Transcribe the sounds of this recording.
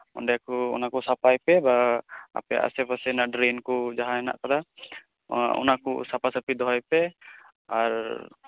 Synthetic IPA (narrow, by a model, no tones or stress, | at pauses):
ɔ̰nɖɛjakɔɔ̰nakɔsapajpɛbaa̰pɛja̰ʔa̰sɛpasɛnaʔɖɾinkɔd͡ʒaɦaɛna̰ʔkaɾa | ɔ̰nakɔ̰sapasapid̪ɔɦɔjpɛ | aɾ